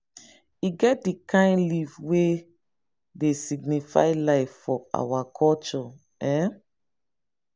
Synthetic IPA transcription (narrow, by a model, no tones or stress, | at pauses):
iɡɛt̚dikʰãɪ̃ndlivwe | desiɡnifa̰ɪlaɪfːɔa̰wakʰɔlt͡ʃɔ | ɛ